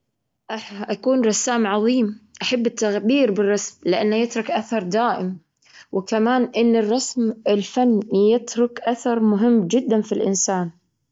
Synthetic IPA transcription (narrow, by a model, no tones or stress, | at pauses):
ʔaħʔakuːnɾˤɑsːaːmʕɑðˤiːmʔaħabːɪt̪ːaɣbiːɾbɪrˤːɑsmlɪʔanːajɪt̪ɾʊkʔaθɑɾˤd̪aːʔɪm | wɪkamaːnʔɪnːɪrˤːɑsmɪlfanːjɪt̪ɾʊkʔaθɑɾˤmʊɦɪmːd͡ʒɪd̪ːanfilʔɪnsaːn